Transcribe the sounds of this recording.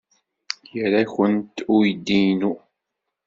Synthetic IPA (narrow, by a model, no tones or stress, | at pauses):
jəɾaçənt̪ʊjd̪ːijnu